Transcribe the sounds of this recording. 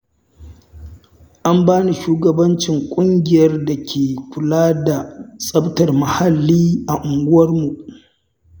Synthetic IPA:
ʔa˦mbaː˦ni˨ʃuː˦ɡɐ˨bɐ˦nt͡ʃɪ˨ŋkʷʼʊ˦ŋɡʲɪ˨jɐ˦rda˨kʲʰeː˨kʷʊ˨laː˦da˨sʼɐ˦btɐ˨rma˨ha˦lːiː˦ʔa˨ʔʊ˨ŋɡʷʊ˦wɐ˦rmu˨ʔ

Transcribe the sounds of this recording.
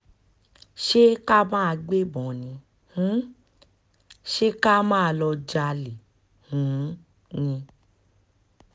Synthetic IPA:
ʃe˦ka˦mãː˦a˧ɡ͡be˦bɔ̃˨nĩ˧ | hũ˨˦ | ʃe˦ka˦mãː˦˧lɔ˧d͡ʒa˧le˨ | hũ˨˦ | nĩ˧

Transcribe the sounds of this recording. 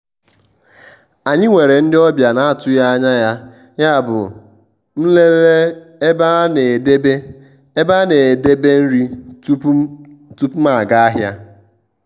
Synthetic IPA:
a˨ɲɪ˦ŋʷe˨ɾe˨n̩˦dɪ˦ɔ˦bja˨na˨a˦tʊ˦ja˦a˦ɲa˦ja˦ | ja˦a˨bʊ˨ | n̩˦le˦ɾe˦ | e˦ba˦ne˨de˦be˦ | e˦ba˦ne˨de˦be˦n̩˦ɾi˦u˦ptu˦pu˦ma˨ɡa˦a˦ɦja̰˦

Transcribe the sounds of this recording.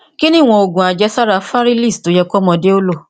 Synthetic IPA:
ki˦nĩ˦˨w̃ɔ̃˧o˨ɡũ˨a˨d͡ʒɛ˧˦sa˦ɾa˧fa˦ɾi˦li˦˨sto˨˦jɛ˧kɔ˦mɔ̃˧de˦o˦lo˦˨

